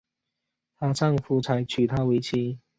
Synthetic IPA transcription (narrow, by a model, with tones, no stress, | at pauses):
ta˧˩t͡sa˥˩ŋfu˨˧˩t͡sʰa˨˥ɪt͡ɕʰy˨˩t̪ʰa˥we˧˥ɪt͡ɕʰi˧˦